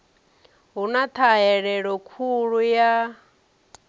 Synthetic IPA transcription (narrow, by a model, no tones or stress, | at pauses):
ɦunat̪ʰaɦɛɺɛɺɔkʰuɺuja